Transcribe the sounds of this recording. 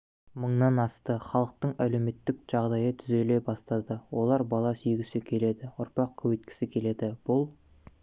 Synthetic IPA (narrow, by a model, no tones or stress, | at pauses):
məɴnɑnɑst̪əχɑlˠəq̚t̪əɴæle̞wme̞t̪ːɪkʒ̥ɑʁd̪ɑjət̪ʰʏze̞le̞jbɑst̪ɑd̪əwo̞lˠɑɾbɑlˠɑsijɡʲɪsɪkʲʰe̞le̞d̪ɪʊɾpɑq̚kʲʰɵwejt̪̚kʲɪ̥sɪkʲʰe̞le̞d̪ɪb̥ʊlˠ